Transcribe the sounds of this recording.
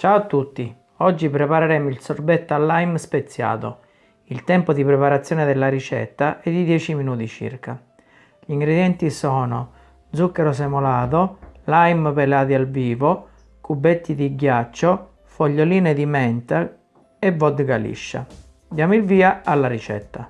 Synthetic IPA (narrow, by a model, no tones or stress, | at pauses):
t͡ʃaoat̪ːut̪ːi | ɔd͡ʒːipɾɛpaɾaɾɛːmilsɔrbɛt̪ːalːajmspet̪sːja̰ːt̪o̰ | ilt̪ɛmpod̪ipɾɛpaɾat̪sːjɔːned̪elːaɾit͡ʃɛ̰t̪ːaʔɛd̪ːid̪jɛːt͡ʃiminuːt̪it͡ʃḭrka | ʎiŋɡɾed̪jɛnt̪isɔːno̰ | d̪zukːɛɾos̬emolaːt̪̬olajmpelaːt̪ialviːvo | kubɛt̪ːid̪iɡjat͡ʃːo | foʎːoliːned̪imɛnt̪a | evːɔd̪ɡalḭʃːa̰ | d̪jaːmoilviːaalːaɾit͡ʃɛ̰t̪ːa